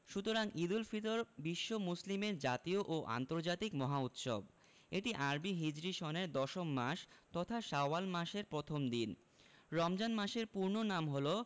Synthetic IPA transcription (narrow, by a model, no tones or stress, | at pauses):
ʃut̪oɾaŋʔid̪ulfit̪oɾbiʃːomuslimeɾd͡ʑat̪ioʔoʔa̰nt̪oɾd͡ʑat̪ikmɔɦaut̪ʃo̰b̚ | eʈiʔaɾbiɦid͡ʑɾiʃɔneɾd̪ɔʃomːaʃt̪ɔt̪ʰaʃaoalmaʃeɾpɾot̪ʰomd̪in | ɾɔmd͡ʑanmaʃeɾpuɾnonamɦolo